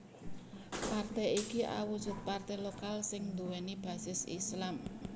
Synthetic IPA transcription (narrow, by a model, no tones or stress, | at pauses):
part̪ɛikiʔa̰wud̥ʒ̥ʊ̤t̪̚part̪ɛlokalsɪŋnd̪uwɛnib̥a̤sɪsḭslam